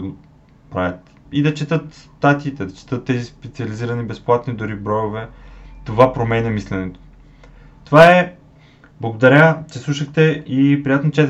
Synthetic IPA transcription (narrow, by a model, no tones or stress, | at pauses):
ɡo | pɾa̰vʲət̪ | id̪ɐt͡ʃɛt̪ɤt̪st̪at̪iːt̪ɛd̪ɐt͡ʃɛ̥t̪ɤt̪ːɛzispɛt̪siɐliziɾɐnibɛsplˠat̪nid̪ʊɾibɾɔjovɛt̪ovapɾomɛnɛmislɛnɛt̪o̥ | t̪ovaɛ | blˠɐɡod̪ɐɾʲat͡ʃɛslˠuʃəxt̪ɛʔipɾijat̪not͡ʃɛ